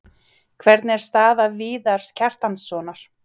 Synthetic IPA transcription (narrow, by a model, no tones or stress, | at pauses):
kʰvɛɾt̪nɛɾ̥st̪aːðaviːðaɾ̥scʰar̥t̪ansːɔːnaɾ̥